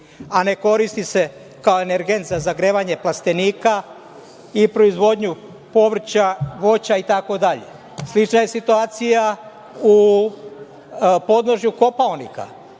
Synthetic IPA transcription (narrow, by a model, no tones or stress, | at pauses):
ane̞ko̞ɾist̪ise̞ | kaoeneɾɡe̞nt̪zazaɡɾeːʋaɲe̞plast̪e̞niːka | ipɾoizʋo̞d̪ɲu | po̞ʋr̩t͡ɕaʋo̞t͡ɕait̪ako̞d̪aʎe̞̰ | slit͡ʃnaje̞sit̪uaːt̪sija | u | po̞d̪no̞ʒɲuko̞paonika̰